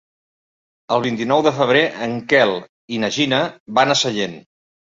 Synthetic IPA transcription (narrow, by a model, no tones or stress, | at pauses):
əlˠβ̞int̪inɔwðəfəβ̞ɾeʔəŋkɛlˠ | inəʒinəβanəsəʎen